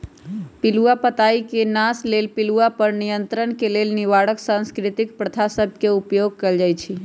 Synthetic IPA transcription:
piluapət̪aikenaslelpiluapəɾnijənt̪ɾənkelelniʋaɽəksãnskɾit̪ik̚pɾət̪ʰasəbʱkeupjoɡ̚keld͡ʒajt͡ʃʰi

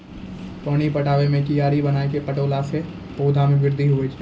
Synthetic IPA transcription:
pəɽ̃ipɐʈʰaːʋemẽkijaːɾibɐnaːekepɐʈoːlase | poːd̪ʱamẽʋɪɾd̪ʱiɦuet͡ʃʰ

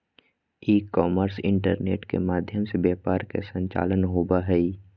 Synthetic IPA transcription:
iːkːɔːməɾsɪ̰̃ɳʈəɾnḛːʈkḛmaːd̪ʱjəmsebjɛːpaːɾkḛsə̃ɲt͡ʃa̰ːlənɦoːbaɦɛi

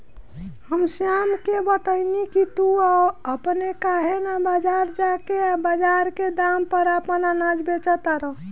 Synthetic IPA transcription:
həmsijamkebət̪əɪnikit̪uaəpnekaɦenabəd͡ʒaɾd͡ʒakeabəd͡ʒaɾked̪ampəɾəpənanad͡ʒbet͡ʃət̪aɾə

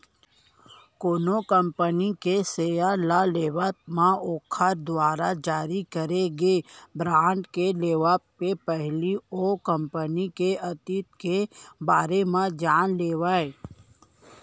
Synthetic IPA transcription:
koːnokə̃mpənikeseːjalaleːʋat̪mãoːkʰəɾd̪waːɾad͡ʒaːɾikəɾeɡeːbɾaːɳɖkeleːʋappepɛɦliokə̃mpənikeɐt̪it̪kebaːɾemãd͡ʒaːnleːʋae

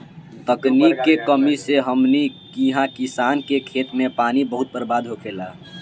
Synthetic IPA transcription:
t̪əknikːekəmiseɦəmnikiɦãkisaːnkekʰet̪mẽpaːnibəɦut̪̚pəɾbaːd̪ʱɦokʰela

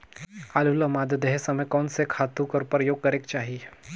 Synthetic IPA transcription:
aːluləmaːd̪əd̪ɦesɐməjkɔːnsekʰaːt̪ũkɔːɾpɾəjoːɡ̚kɐɾeːkt͡ʃaːɦie

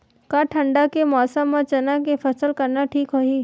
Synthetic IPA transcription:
kaʈʰəɳɖakemɔːsəmːãt͡ʃənakepʰəsəlkəɾnaʈʰiːkɦoɦiː

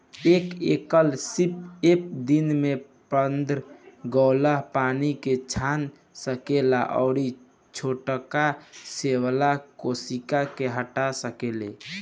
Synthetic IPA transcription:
ekekəlsipep̚d̪inme | pənd̪ɾɡɔʊləɦpaniket͡ʃʰan | səkela̰ʔɔ̰ʊɾi | t͡ʃʰoʈkasewlakosikakeɦəʈasəkele

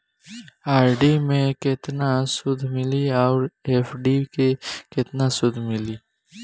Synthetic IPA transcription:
aːɾɖimẽkɪt̪nasʊd̪ʱmɪliɔːɾeːfɖikekɪt̪nasʊd̪ʱmɪliː

